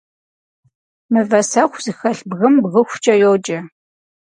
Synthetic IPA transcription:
mɨvɐsɐxʷzɨxɐɬbɣɨmbɣɨxʷt͡ʃʼɐjoːd͡ʒɐ

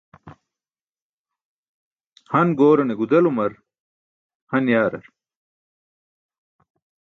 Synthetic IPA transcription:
hɐnɡoːɾɐneɡud̪ɐlumɐɾ | hɐnjaːɾɐ̰ɾ

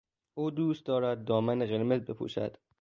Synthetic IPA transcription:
ʔuːd̪uːst̪̚d̪ɒːɾæd̪̚ːɒːmæneɣeɾmezbe̞pʰṵːʃæ̰d̪̥

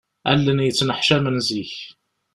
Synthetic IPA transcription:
æ̰lːənjət͡sːnəħʃæmənziç

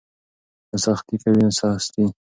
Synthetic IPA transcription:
asaxt̪ikawiasɑst̪i

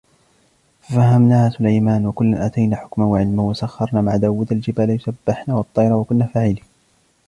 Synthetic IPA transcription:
fafahːamnaːhasʊlajmaːnwakʊlːanʔat̪ajnaːħʊ̥kmanwaʕɪlmahwasaxːɑɾˤnaːmaʕd̪aːwɪd̪ald͡ʒɪbaːljʊsabːɪħnaːwɑt̪ˤːɑjɾˤɑwakʊnːaːfaːʕɪliː

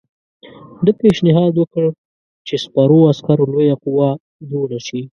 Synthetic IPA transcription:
d̪əpeʃnɪɦɑd̪wəkəɽ | t͡ʃespaɾoaskaɾolojaqʊwa | d͡ʒ̪oɽaʃi

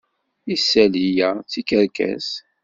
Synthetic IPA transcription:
isːælijæt͡sːikəɾkæ̰s

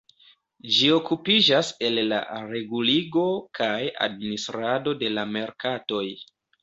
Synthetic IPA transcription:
d͡ʒio̞kupid͡ʒase̞lːa̰ɾe̞ɡuliɡo̞kʰaja̰dministɾado̞de̞lame̞ɾkato̞j

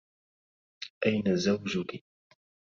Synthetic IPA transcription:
ʔajnazawd͡ʒʊkɪ

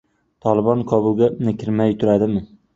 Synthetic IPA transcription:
t̪ʰɒlˠɪbɒnkʰɒbʊlˠɡʲanɪkʲʰɪɾmajt̪ʰʊɾad̪ɪmɪ

